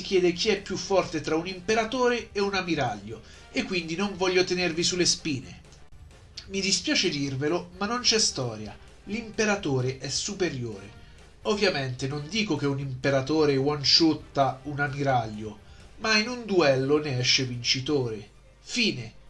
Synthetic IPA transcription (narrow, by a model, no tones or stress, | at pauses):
sik̟jɛːd̪ek̟iɛpːjufːɔrt̪et̪ɾaunimpeɾat̪oːɾeːunamiɾaʎːo | ekːwind̪inoɱvɔʎːot̪enervisulːespiːnḛ | mid̪ispjaːt͡ʃed̪irvelomanːont͡ʃɛst̪ɔːɾja̰ | limpeɾat̪oːɾeʔɛsupeɾjoːɾe | ovːjament̪enond̪iːkok̟eunimpeɾat̪oːɾewant͡ʃut̪ːaunamiɾaʎːo | mainund̪uɛlːoneɛʃːevint͡ʃit̪oːɾe | fiːne